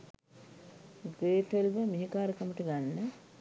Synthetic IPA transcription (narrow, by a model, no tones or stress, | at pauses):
ɡeːʈəlʋəmiɦikaːɾəkəməʈəɡanːə